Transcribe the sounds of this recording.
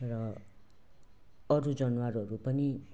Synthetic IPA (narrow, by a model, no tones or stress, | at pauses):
rʌ | ʌɾud͡zʌnwaɾʌɾupʌni